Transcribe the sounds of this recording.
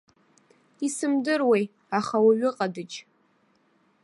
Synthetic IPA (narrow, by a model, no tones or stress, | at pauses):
isɨmdɨrwej | aχawaɥɪqʼadɨt͡ʃʼ